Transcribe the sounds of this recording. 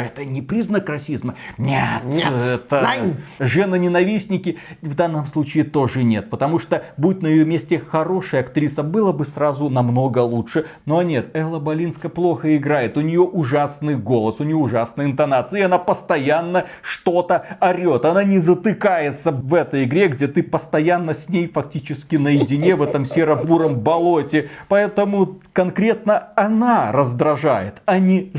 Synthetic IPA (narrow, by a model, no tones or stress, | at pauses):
ɛt̪ənʲɪpɾʲiznəkrɐsʲizmənʲeɛt̪əʐɛnənʲɪnɐvʲisʲnʲɪkʲɪvd̪anːəmslˠut͡ɕɪːt̪o̞ʐɨnʲe̞t̪̚pət̪ɐmuʂt̪obut̪̚ʲnəjɪjomʲesʲtʲɪxɐɾo̞ʂəjɐkt̪ɾʲisəbɨlˠəbɨsrazʊnɐmno̞ɡəlˠuʂɨnonʲe̞t̪ɛlˠəbɐlʲinskəplˠo̞xəɪɡɾajɪt̪ʊnʲɪjo̞ʔʊʐasnɨjɡo̞lˠəsʊnʲɪjoʊʐasnəjɪnt̪ɐnat̪sɨɪɐnapəst̪ɐjanːə | ʂt̪o̞t̪əɐɾʲo̞t̪ɐnanʲɪzət̪ɨkajɪt̪səvɛt̪əjɪɡɾʲe̞ɡdʲe̞t̪ɨpəst̪ɐjanːəsʲnʲejfɐk̚tʲit͡ɕɪskʲɪnəjɪdʲɪnʲe̞vɛt̪əmsʲɪɾɐbuɾəmbɐlˠotʲɪpɐɛt̪əmʊkɐnkɾʲe̞t̪nəɐnarəzd̪ɾɐʐa̰jɪ̰t̪ɐnʲi